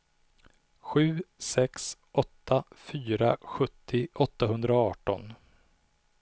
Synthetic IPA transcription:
ɧʉ̟ːsɛksʔɔt̪ʰːafyːɾa̰ɧɵt̪ʰːɪʔɔt̪ːaɦɵnd̪ɾaɑːʈɔ̰n

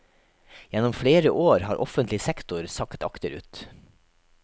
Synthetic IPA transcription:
jɛnɔmfɽeːɾəʔoːɾhɑːɾʔɔfənt̪lɪsɛkt̪ʊɾsɑkt̪ɑ̰kt̪əɾʉ̰ːt̪

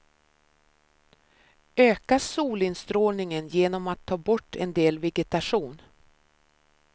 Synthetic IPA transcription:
øːkasuːlɪnst̪ɾoːlnɪŋənjeːnɔmat̪ʰːɑːbɔʈːɛnd̪eːlvɛɡɛt̪aʂuːn

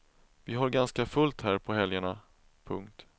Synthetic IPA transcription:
vɪɦaɾɡanskafɵlt̪hæːɾpʰɔɦɛljaɳa | pʰɵ̰ŋk̚t̪

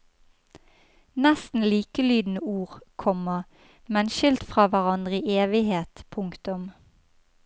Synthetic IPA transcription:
nɛst̪n̩liːkəlyːd̪n̩əuːʁkʰɔmə | mɛnʃʏlt̪fʁɑːʋæʁɑnd̪ʁəiːʔeːʋɪheːt̪pʰʊŋkt̪ʊm

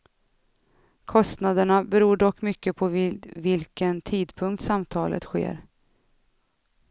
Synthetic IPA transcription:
kʰɔst̪nad̪əɳabɛɾuːɖɔkːmʏkːəpʰɔvɪlkənt̪ʰiːd̪pʰɵŋk̚t̪samt̪ʰɑːlʔə̰t̪ɧḛːɾ

